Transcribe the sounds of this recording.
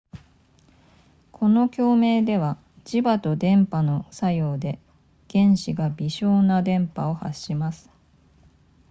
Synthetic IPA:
kʰo̞no̞kʲo̞ːme̞ːd̪e̞βa | d͡ʑibat̪o̞d̪ẽ̞mpano̞sajo̞ːd̪e̞ | ɡ̥ẽ̞ɰ̃ɕiɡabʲiɕo̞ːnad̪ẽ̞mpao̞ha̰ɕːimasɨ̥

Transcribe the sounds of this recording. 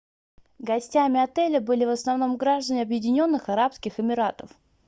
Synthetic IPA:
ɡɐsʲtʲamʲɪɐt̪ɛlʲəbɨlʲɪvəsnɐvno̞mɡɾaʐd̪ənʲɪɐbjɪdʲɪnʲo̞n̪ːɨxɐɾapskʲɪxɪmʲɪɾat̪əf

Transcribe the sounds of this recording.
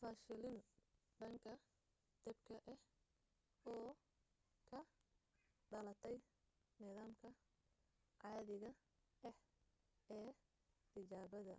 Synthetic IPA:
fɐːʃɪlɪn | ɖɐŋkʰɐ | d̪̥ɛbkʰɐʔɛh | ɔː | kʰɐ | ɖɐlɐt̪ʰɛj | nɪðaːmkʰɐ | ʕɑːðɪɣɐ | ʔɛh | ɛː | t̪ɪt͡ʃaːβɐðɐ̰

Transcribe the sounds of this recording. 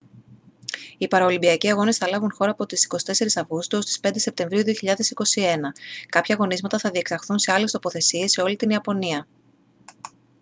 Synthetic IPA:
ipɐɾɐolimbiɐciɐɣo̞ne̞sθɐlɐvunxo̞ɾɐːpo̞t̪isi̥ko̞si̥t̪e̞se̞ɾisɐvɣust̪oost̪i̥spe̞nd̪e̞se̞pt̪e̞ɱvɾiuðio̞çiʎɐðe̞siko̞sie̞nɐkɐpçɐɣo̞nizmɐt̪ɐθɐðie̞ksɐxθunse̞ɐle̞st̪o̞po̞θe̞sie̞sːeo̞lit̪iniɐpo̞niɐ

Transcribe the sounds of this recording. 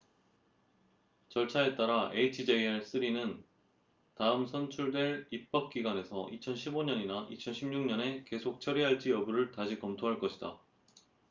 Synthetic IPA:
t͡ɕʌɭt͡ɕʰae̞t͈aɾaeit͡ɕʰid͡ʑeɭs͈ɯɾinɯn | taɯmsʰʌnt͡ɕʰuɭdwe̞ɾip͈̚ʰʌp̚k͈iɡwane̞sʰʌʔit͡ɕʰʌnɕʰiboɲʌɲinaʔit͡ɕʰʌnɕʰimɲuŋɲʌne̞ke̞sʰok̚t͡ɕʰʌɾiɦaɭt͡ɕ͈ijʌbuɾɯɭtaɕʰikʌmtʰoɦaɭk͈ʌɕʰida̰

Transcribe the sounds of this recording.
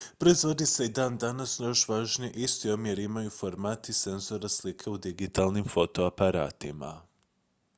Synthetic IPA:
pɾo̞izʋo̞d̪iseid̪aːnd̪anasnjoʃʋaːʒniʔist̪iomjeɾimajufo̞ɾmaːt̪ise̞nzo̞ɾaslikʰeud̪iɡit̪aːlˠnimfo̞t̪o̞apaɾa̰ːt̪ima̰

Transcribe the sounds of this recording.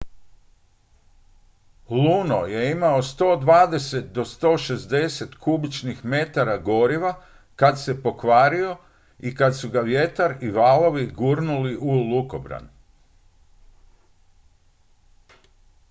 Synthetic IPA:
lunoje̞imaost̪o̞ːd̪ʋaːd̪e̞set̪̚d̪o̞st̪o̞ːʃe̞zd̪e̞se̞t̪kubit͡ʃnixme̞t̪aɾaɡo̞ɾiʋa | kad̪se̞po̞kʋaːɾio̞ | ikad̪suɡaʋje̞t̪aɾiʋaːlˠo̞ʋiɡuɾnuliʔuluko̞bɾa̰n

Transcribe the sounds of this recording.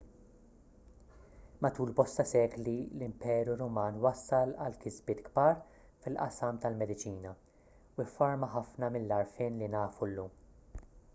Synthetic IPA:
mɐt̪uːlbɔst̪ɐsɛːɡlilɪmpɛːɾuɾɔmɐːnwɐsːɐlɐlkɪzbɪːt̪ɡbɐːɾ | fɪlʔɐsɐmt̪ɐlmɛd̪ɪt͡ʃiːnɐ | wɪfːɐɾmɐħɐfnɐmɪlːɐɾfɪːnlinɐːfulːuːm

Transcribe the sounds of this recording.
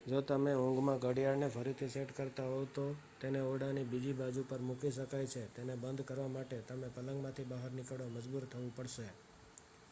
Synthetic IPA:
d͡ʒot̪əmeũŋɡmãɡəɽijaɾnefʰəɾit̪ʰiseʈkəɾt̪aɦot̪ot̪eneoɽanibid͡ʒibad͡ʒupəɾmukiʃəkajt͡ʃʰet̪enebənd̪ʱkəɾʋamaʈet̪əmepələŋɡmãt̪ʰibaɦəɾnɪkəɽoməd͡ʒbuɾt̪ʰəʋũpəɽʃe

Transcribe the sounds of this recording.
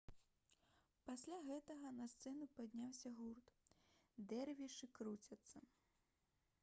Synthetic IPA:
pasʲlʲaɣɛt̪ɐɣɐnɐst̪sɛnupad̪ʲnʲawsʲɐɣurt̪ | d̪ɛrvʲiʂɨkɾut͡sʲɐt̪sːɐ

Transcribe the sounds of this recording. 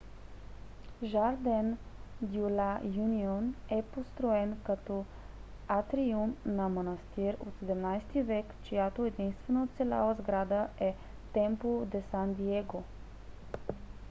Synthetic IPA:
ʒaɾd̪ɛnd̪iulajunionɛpost̪ɾoɛnkɐt̪ɔ | at̪ɾiumnɐmonɐst̪iɾo̰t̪sɛd̪ɛmnajst̪ivɛkt͡ʃojat̪oɛd̪inst̪vɛnəot̪sɛla̰vəzɡɾad̪əʔɛ | t̪ɛmpod̪ɛsand̪iɛɡo

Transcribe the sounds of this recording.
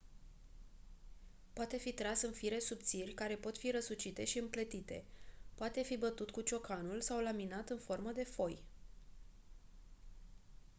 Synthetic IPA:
poat̪e̞fit̪ɾasɨnfiɾe̞sup̚t̪sirʲkaɾe̞po̞t̪fiɾəsut͡ʃit̪e̞ʃiɨmplət̪it̪e̞̰poat̪e̞fibət̪ut̪kut͡ʃo̞kanulsawlaminat̪ɨnfo̞rməd̪e̞fo̞j

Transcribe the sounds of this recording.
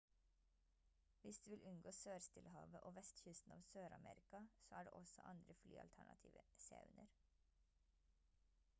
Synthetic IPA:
ʋɪsd̪ʉːʋɪlʔʉnɡoːsøːɾst̪ɪlhɑ̰ːʋəʔoːʋɛst̪çʏst̪n̩ɑ̰ːʋsøːɾɑmḛːɾɪkɑsoːæːɖḛːʔɔsɔ̰ʔɑnd̪ɾəfly̰ːɑlt̪ʰæɳɑt̪ʰiːʋəsɑ̰ʉnəɾ

